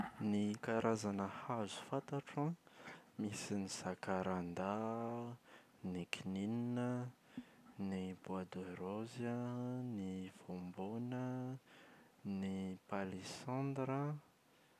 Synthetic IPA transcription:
nikaɾazanəhazu̥fat̪aʈ͡ʂãmisinizakaɾand̪a | nikinininə | nibwad̪oɾozəniv̥ombonə | nipalesɑ̃nd̪ɾə

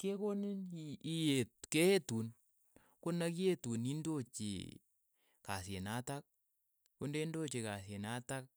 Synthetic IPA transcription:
kekoninijetkeetun | kʊnaketunindot͡ʃḭ | kasenatak̚ | kundendot͡ʃekasenatak̚

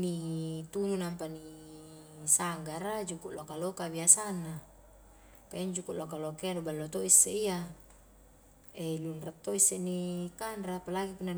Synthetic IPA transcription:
nit̪ununampani | saŋɡaɾad͡ʒukuʔlokalokabiasanːa | paiɲd͡ʒukuʔlokalokeanubalːot̪oisːeija | elunrat̪ːoisːenikanrapalaɡikuna

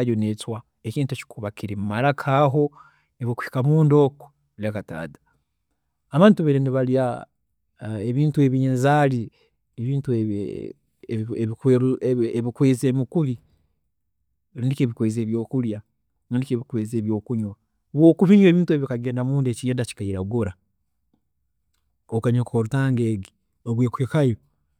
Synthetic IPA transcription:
jonetwa | eciːntuci̥kʰuβakiɾemumaɾakʰaːɦo̞ | eβoku̥hi̥kamuːndo̞ko̥ | ilakata̰ːdḁ | aβaːntuβeneniβalia | eβiːntue̞βinzali | eβiːntuḛ | eβikeeβikweːzeːmikuβi | ɾindiceːβikweːzeːβjo̞ːkulja | ɾiːndikeːβikweːzeːβjo̞ːkuɲwa | βwoːkuβiɲweβiːntue̞βikaɡe̞ːndamuːndeciɲadaci̥kaiɾaɡoɾa | okaɲokukoɾutaːŋɡeːɡi | oɡweːkuekajo

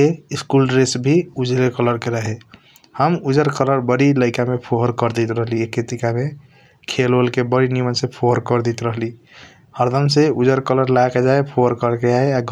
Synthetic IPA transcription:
eiskulɾesbʱiud͡ʒlekələɾkeɾəɦe | həmud͡ʒəɾkələɾbəɽiləɪkamepʰoɦəɾkəɾd̪it̪ɾəɦliekːet̪ikame | kʰelolkebəɽinimənsepʰoəɾkəɾd̪it̪ɾəɦli | həɾd̪ʱəmseud͡ʒəɾkələɾlaked͡ʒaepʰoəɾkəɾkeaeaɡʱ

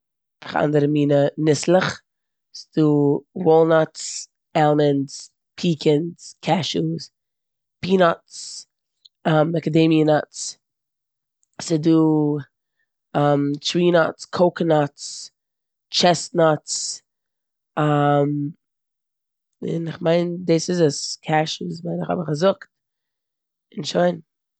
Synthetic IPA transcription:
ɪχa̰ndəɾəmiːnənɪslˠəχ | sɪd̥uːwɔlˠnats | ɛlˠməns | pʰiːkʰɪnskʰɛʃus | piːnɔts | amɛkədemiənatt͡s | sɪduː | amt͡ʃwiːnɔtskʰoʊknɔtt͡s | t͡ʃɛstnɔts | am | ɪ̰nɪχmaɪndeːsɪzaskʰaʃusvaɪnɪχa̰bəχazʊkt̚ | ɪnʃoɪn

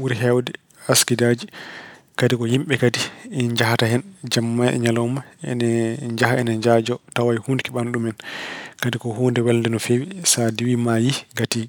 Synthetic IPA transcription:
uɾɦɛwdɛ | askidad͡ʒi | kadikɔjimɓɛkadiɲd͡ʒahatahɛnd͡ʒamːajɛ̰ɲalɔmaɛ̰nɛɲd͡ʒaɦaɛnɛd͡ʒad͡ʒɔtawajhunkiɓanɗumɛnkadikɔhondɛwɛlndɛnɔfewisadiwimajiɡatiː

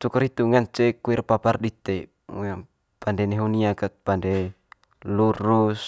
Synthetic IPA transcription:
t̪ukɔɾit̪uŋant͡ʃɛkuirpapardit̪ɛ | pandɛneɦuniakat̪̚pande | luɾus

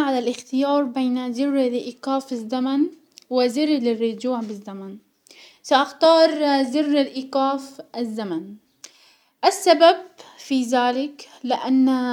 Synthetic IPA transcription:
ʕalalʔɪxt̪ɪjɑːɾˤbeːnzɪrːɪlʔiːqaːfɪzːaman | wɪzɪɾːlɪrːʊd͡ʒuːʕbɪzːaman | saʔaxt̪ɑːɾˤzɪrːɪlʔiːqaːfʔɪzːaman | ʔasːababfizaːlɪk | lɪʔanː

